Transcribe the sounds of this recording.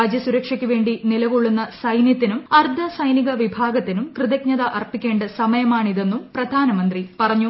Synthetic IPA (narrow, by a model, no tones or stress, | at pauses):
aːd͡ʑjɐsuɾɐkʂɐkʲːuʋe̞ːɳɖinilɐʋuɭːunːɐsɐjnjɐt̪ːinumɐrd̪ʱɐsɐjniɣɐʋibʱaːɡɐt̪ːinumkrɨðɐkɲɐðɐʔɐrpikʲːe̞ːɳɖɐsɐmɐjɐmaːɳiðe̞nːumprɐd̪ʱaːnɐmɐnd̪ripɐrɐɲːu